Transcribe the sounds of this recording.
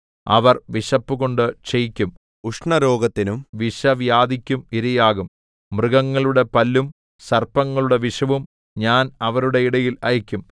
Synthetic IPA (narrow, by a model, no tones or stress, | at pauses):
ɐ̰ʋɐrʋiʂɐpːuɣo̞ɳɖɨt͡ɕejikʲːum | uʂɳɐɾo̞ːɡɐt̪ːinumʋiʂɐʋjaːd̪ikʲːumiɾɐjaːɣum | mrɨɣɐŋːɐɭuɽe̞pɐlːum | sɐrpːɐŋːɐɭuɽe̞ʋiʂɐʋum | ɲaːnɐʋɐɾuɽe̞iɽɐjilɐjɐkʲːum